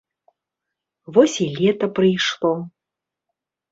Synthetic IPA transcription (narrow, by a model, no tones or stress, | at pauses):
vɔsʲilʲɛt̪ɐpɾɨjʂlˠɔ